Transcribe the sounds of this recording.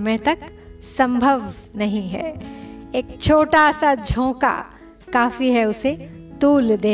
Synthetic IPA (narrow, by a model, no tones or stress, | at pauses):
mẽt̪ɐk | sɐ̃mbʱəʋnɐɦĩɦɛ̰ːeːk̚t͡ʃʰoːʈasad͡ʒʱõːka̰ | kaːfiɦɛʊset̪uːld̪eː